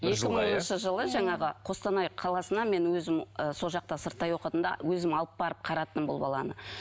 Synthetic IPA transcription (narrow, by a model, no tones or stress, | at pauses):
je̞kʲɪməɴonənʃəʒəlˠəʒɑɴɑʁəqʰo̞st̪ɑnɑjqʰɑlˠɑsənɑme̞nwɵzɪməso̞lˠʒɑq̚t̪ɑsəɾt̪ːɑjwo̞qət̪ənd̪ɑ̰wɵzɪmɑlˠəp̚bɑɾəp̚qʰɑɾɑt̪əmbolˠbɑ̰lˠɑ̰nə